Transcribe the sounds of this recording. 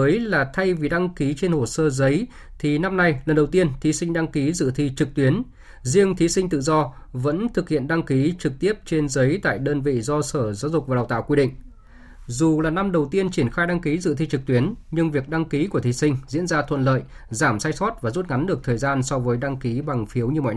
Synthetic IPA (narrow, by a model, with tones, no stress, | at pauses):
ʔəː˨˦jlaː˨˩t̪ʰa˧jvi˨˩ɗa˧ŋki˨˦t͡ɕe˧nho˨˩səː˧zə˨˦j | t̪ʰi˨˩na˧mna˧jlə˨˩nɗə˨˩wt̪i˧ənt̪ʰi˨˦sï˧ŋ̟ɗa˧ŋki˨˦zɨ̰˧˨t̪ʰi˧t͡ɕɨ˨˩k̚t̪wi˨˦ən | zi˧əŋt̪ʰi˨˦sï˧ŋ̟t̪ɨ̰˧˨zɔ˧ | və̰˧˥nt̪ʰɨ˨˩k̚hḭ˧˨ənɗa˧ŋki˨˦t͡ɕɨ˨˩k̚t̪i˦˥əp̚t͡ɕe˧nzə˨˦jt̪a̰ː˧˨jɗəː˧nvḭ˧˨zɔ˧səː˧˩zaː˨˦wzʊ˨˩k͡p̚vaː˨˩˨wt̪a̰ː˧˨wkwi˧ɗḭ̈˧˨ŋ̟ | zu˨˩laː˨˩na˧mɗə˨˩wt̪i˧ənt͡ɕi˧˩ənxaː˧jɗa˧ŋki˨˦zɨ̰˧˨t̪ʰi˧t͡ɕɨ˨˩k̚t̪wi˨˦ənɲɨ˧ŋvi˨˩ək̚ɗa˧ŋki˨˦ku˧˩ət̪ʰi˨˦sï˧ŋ̟zḭ˧˥ənzaː˧t̪ʰwə̰˧˨nlə̰ː˧˨j | zaː˧˩msaː˧jsɔ˦˥t̚vaː˨˩zu˦˥t̚ŋa˨˦nɗɨ˨˩ək̚t̪ʰəː˨˩jzaː˧nsɔ˧vəː˨˦jɗa˧ŋki˨˦ɓa˨˩ŋfi˨˦əwɲɨ˧mɔ̰˧˨j